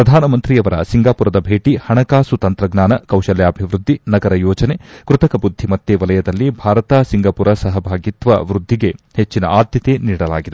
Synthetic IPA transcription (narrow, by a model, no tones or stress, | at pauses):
pɾɐd̪ʱaːnɐmɐnt̪ɾiɐʋɐɾɐsiŋɡaːpuɾɐd̪ɐbʱeːʈihɐɳɐkaːsut̪ɐnt̪ɾɐɡnaːnɐkɐwʃɐljaːbʱiʋɾud̪ʱːinɐɡɐɾɐjɔːd͡ʒɐnekɾut̪ɐkɐbud̪ʱːimɐt̪ːeʋɐlɐjɐd̪ɐlːibʱaːɾɐt̪aːsiŋɡaːpuɾɐsɐɦɐbʱaːɡit̪ʋɐ̰ʋɾud̪ʱːiɡe̞het͡ʃːinɐ̰ʔaːd̪jɐt̪e̞niːɽɐla̰ːɡid̪e